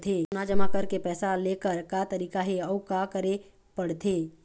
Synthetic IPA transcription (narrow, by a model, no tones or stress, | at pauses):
t̪ʰeːnad͡ʒəmakɐɾkepɛːsaleːkəɾkaːt̪əɾiːkaɦeɔʊkakəɾe | pəɽt̪ʰeː